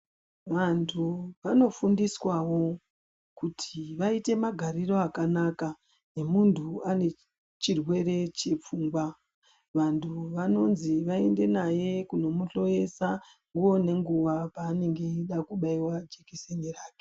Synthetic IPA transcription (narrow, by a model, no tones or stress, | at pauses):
ʋantʰuʋano̞fundiswawo̞ | kutʰiʋaite̞maɡʱaɾiro̞akanaka | ne̞muntʰuane̞ | t͡ʃirwe̞re̞t͡ʃe̞p͡fuːŋɡwa | ʋantʰuʋano̞nziʋae̞nde̞naje̞kuno̞muɬo̞je̞sa | ŋɡuo̞ne̞ŋɡuʋapaːne̞ŋɡe̞iɗakuɓaiwad͡ʒekeseniraːke̥